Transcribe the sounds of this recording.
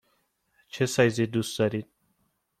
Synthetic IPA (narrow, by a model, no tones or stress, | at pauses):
t͡ʃʰesajzid̪usd̪aɾit̪̚